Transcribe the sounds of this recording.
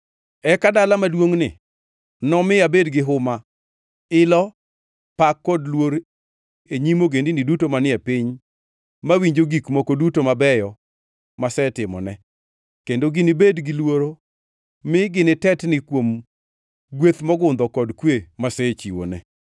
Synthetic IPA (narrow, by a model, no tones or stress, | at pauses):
ɛkadalamadwoŋnɪ̰ | nɔmɪabedɡɪɦʊma | ɪlɔ | pakːɔdlwoɾ | eɲimoɡendinɪdutomanɪɛpɪɲ | mawiɲd͡ʒoɡikmokodutomabɛjɔ | masɛtɪmɔ̰nɛ | kendoɡɪnɪbedɡɪlwoɾo | mɪɡɪnɪtɛtnɪkwom | ɡwet̪mɔɡʊnd̪ɔkɔdkwemasɛt͡ʃiwo̰nɛ